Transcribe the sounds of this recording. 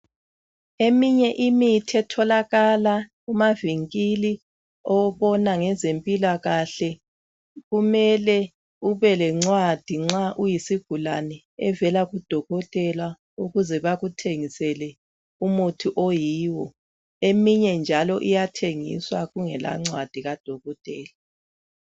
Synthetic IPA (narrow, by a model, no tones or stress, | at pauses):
emiɲɛʔimitʰɛtʰɔlaɣala | umaviŋkʼili | ɔwβɔnaŋɛzempʼilaɣaɬɛ | ɣumɛlɛ | uβɛlɛŋ͡ǀwad̥ʱiŋ͡ǁaʔujisiɡ̥ʱulanɛ | ɛvɛlaɣud̥ʱɔɣɔtʼɛlwa | uɣuzɛβaɣutʰeŋisɛlɛ | umutʰuʔojiːwɔ | emiɲɛnd͡ʒʱalɔʔijatʰeŋḭswaɣuŋɛla̰ŋ͡ǀwad̥ʱiɣad̥ʱɔɣɔtʼɛːla